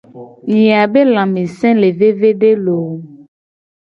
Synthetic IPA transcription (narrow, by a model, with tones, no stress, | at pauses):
ɲĩ˨a˨be˦lã˨mẽ˨sɛ̃˦le˨ve˦ve˦ɖe˦lo˨˦